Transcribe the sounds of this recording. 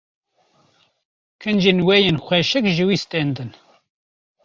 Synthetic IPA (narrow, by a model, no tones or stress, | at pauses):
kʰɨnd͡ʒenwɛjenxʷɛʃɨkʒɨwiːst̪ɛnd̪ɨn